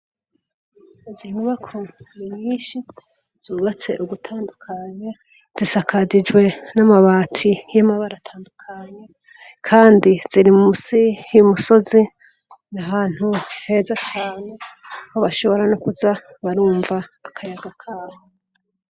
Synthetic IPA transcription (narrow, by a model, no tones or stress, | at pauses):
ziŋuβakʰonimɲinʃi | z̥uːβat͡se̞̰ʔuɡutʰaːndukʰaɲe | z̥isakʰad͡ʒid͡ʒwe̞namaβaːtʰijamaβaɾatʰaːndukʰaɲe̞ | kʰaːndiz̥iɾimumusiumuso̞zi | nahaːn̥huhe̞zat͡ʃaːne̞ | ahoβaʃo̞βo̞ɾanokuza | βaɾuːɱvaːkʰajaɡakʰaːho